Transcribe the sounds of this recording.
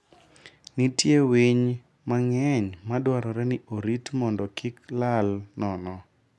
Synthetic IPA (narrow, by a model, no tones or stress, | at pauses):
nitjeweɲ | maŋɛɲmadwaɾɔɾɛnɪʔoɾitmɔndɔkɪklalnɔnɔ